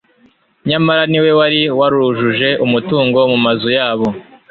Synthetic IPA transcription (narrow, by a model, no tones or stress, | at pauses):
ɲamaɾaniwe̞waɾiwaɾuʒuʒe̞ʔumutuːŋɡo̞mumazujaːβo̞